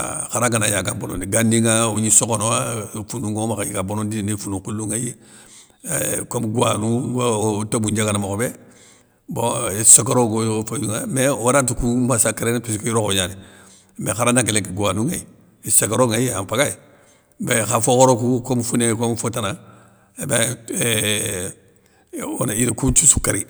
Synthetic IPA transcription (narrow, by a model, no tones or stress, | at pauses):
xaɾaɡanajaɡabono̰ndiɡanːiŋauɲisokonowafunuŋomakaiɡabonondinefunukuluŋajḛ | komɡuwanuwtobuɲd͡ʒaɡanamakobe | bosokaɾoɡofajuŋamewoɾat̬ukumasakeɾenpiskojiɾokoɲani | mexaɾandaŋkelekiɡuwanuŋa̰i | sakaɾoŋajeampaɡai | bexafokoɾokukomfunekomfotana | be | o̰naiɾikut͡ʃusu̥kːaɾi